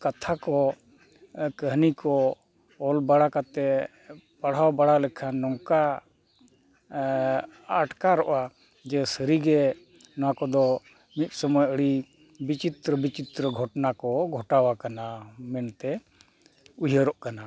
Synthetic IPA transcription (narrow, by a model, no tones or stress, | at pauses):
kat̪ʰakɔ | kəɦnikɔ | ɔlbaɽakat̪ɛ | paɽ̤awbaɽalɛkʰanɔŋka | ʈkaɾɔʔa | d͡ʒɛsəɾiɡɛ | nɔwakɔd̪ɔ | mit̪̚ˀsɔmɔjaʔəɽi | bit͡ʃit̪ɾəbit͡ʃit̪ɾəɡʱɔʈnakɔɡʱɔʈawakanamɛnt̪ɛ | ujəɾɔʔkana